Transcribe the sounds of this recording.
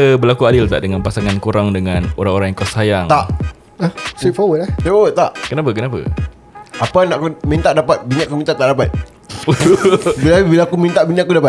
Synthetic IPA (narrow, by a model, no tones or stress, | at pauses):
əbəlakuadɪlt̪a̰ʔdəŋanpasaŋankuɾaŋdəŋãnoɾaŋoɾaŋjaŋkasajaŋt̪aʔ | əhsifawət̪ahsefawət̪̚ːaʔkənap̬əkənapa̰ | ʔapanaʔkumint̪aʔdapat̪̚biɲaʔakumĩnt̪aʔt̪aʔdapat̪̚ | bilabilakumĩnt̪aʔbinaʔkudapat̪